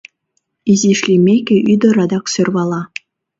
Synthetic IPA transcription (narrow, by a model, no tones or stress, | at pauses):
izʲiʂlʲimʲekʲɘ̆ʔyd̪ɤ̆ɾɑd̪ɑksørβɑlˠɑ